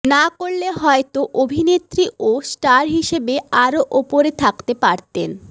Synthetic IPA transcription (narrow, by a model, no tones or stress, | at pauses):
nakoɾleɦɔet̪oʔobʱinet̪ɾiosʈaɾɦiʃebeaɾoʔopoɾet̪ʰakt̪epaɾt̪ḛn